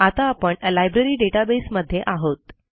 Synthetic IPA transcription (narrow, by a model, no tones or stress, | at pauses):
at̪aːpəɳlajbɾeɾiːɖeʈabesməd̪ʱːjeʔaɦot̪